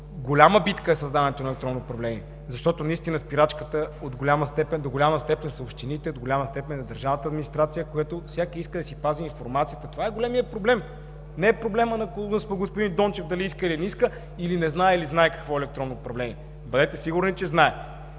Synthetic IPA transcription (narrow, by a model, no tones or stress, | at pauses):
ɡolʲaməbit̪kəɛsɐzd̪avɐnɛt̪onɛlɛkt̪ɾɔnːoːpɾɐvlɛniɛ | zɐʃt̪ɔt̪onɐist̪inəspiɾat͡ʃkət̪əod̪ɡolʲaməst̪ɛpɛnd̪oɡolʲaməst̪ɛpɛnʲsɐopʃt̪init̪ɛod̪ɡolʲaməst̪ɛpɛnzɐd̪ɐɾʒavnət̪əɐːd̪minist̪ɾat̪sijəkojat̪ofsʲjakəiskəd̪ɐsipaziːnfoɾmat̪sijət̪ət̪ovaɛɡolʲɛmijəpɾoblɛm | nɛːpɾoblɛmənɐkspɡospʊd̪ind̪ɔnt͡ʃɛfd̪ɐliiskəiliɛniskə | ilinɛznaɛiliznaɛkɐ̥kvɔɛlɛkt̪ɾɔnːoːpɾɐvlɛniɛ | bɐd̪ɛt̪ɛsiɡʊɾnit͡ʃɛznaɛ